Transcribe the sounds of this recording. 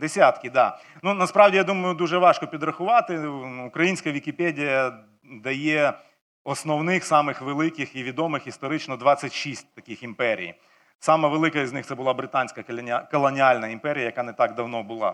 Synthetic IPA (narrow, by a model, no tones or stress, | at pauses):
d̪esʲat̪kʲɪd̪ɑ | nunɐspɾɑwdʲijad̪umɐjʊd̪uʒɛʋɑʃkɔpʲid̪ɾɐxʊʋɑt̪ɪʊkɾɐjinʲsʲkɐʋʲikʲipɛdʲijɐ | d̪ɐjɛ | ɔsnɔwnɪxsɑmɪxʋelˠɪkɪxiʋʲid̪ɔmɪxist̪ɔɾɪt͡ʃnɔd̪ʋɑsʲːɐtʲʃisʲt̚ʲt̪ɐkɪximpɛɾʲḭj | sɑmɐʋelˠɪkɐiznɪxt̪sɛbʊlˠɑbɾɪt̪anʲsʲkɐkɔlˠɐnʲɪalʲnɐimpɛɾʲɪjɐjɐkanɛt̪ɑɡd̪ɐwnɔbʊlˠɑ̰